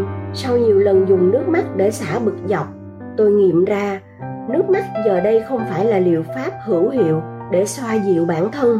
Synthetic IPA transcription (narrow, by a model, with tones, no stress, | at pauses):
sa˧wɲi˨˩əwlə˨˩nzʊ˨˩ŋ͡mnɨ˦˥ək̚ma˦˥k̚ɗe˧˩saː˧˩ɓɨ˨˩k̚za˨˩wk͡p̚ | t̪o˧jŋḭ˧˨əmzaː˧ | nɨ˦˥ək̚ma˦˥k̚zəː˨˩ɗə˧jxə˧wŋ͡mfaː˧˩jlaː˨˩lḭ˧˨əwfaː˦˥p̚hɨ˧˩əwhḭ˧˨əw | ɗe˧˩swaː˧zḭ˧˨əwɓaː˧˩nt̪ʰə˧n